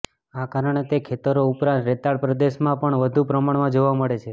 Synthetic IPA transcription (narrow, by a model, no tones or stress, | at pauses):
akaɾəɳ̃et̪ekʰet̪əɾoupɾãnt̪ɾet̪aɭpɾəd̪eʃmãpəɳʋəd̪ʱupɾəmaɳmãd͡ʒoʋaməɭet͡ʃʰe